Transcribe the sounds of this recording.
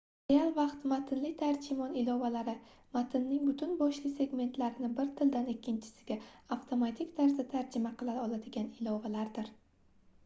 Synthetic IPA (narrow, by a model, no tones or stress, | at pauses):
ajalˠvɑqt̪mat̪ʰɪnlɪt̪ʰaɾd͡ʒɪmɒnɪlˠɒvalaɾɪ | mat̪ʰɪnːɪŋbʊt̪ʰʊnbɒʃlɪse̞ɡme̞nt̪ʰlaɾɪnɪbɪɾt̪ʰɪld̪anɪkʲːɪnt͡ʃʰɪ̥sɪ̥ɡʲaaft̪ʰo̞mat̪ʰɪkʲt̪ʰaɾsat̪ʰaɾd͡ʒɪmaqʰɨlˠaɒlˠad̪ɪɡʲanɪlˠɒvalaɾd̪ɪɾ